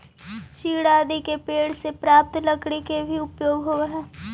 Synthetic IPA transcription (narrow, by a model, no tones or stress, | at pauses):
t͡ʃiːɽaːd̪ikepeːɽsepɾaːp̚t̪ləɡɽekebʱiʊpjoːɡɦoɦɛː